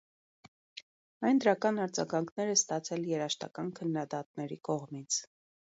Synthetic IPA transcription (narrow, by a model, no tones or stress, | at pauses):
ɑjnd̪əɾɑkɑnɑɾd͡zɑ̰ɡɑŋkʰnɛɾɛst̪ɑt͡sʰɛljɛɾɑʃt̪ɑ̰kɑnkʰənːɑd̪ɑt̪nɛɾikɔʁmit͡sʰ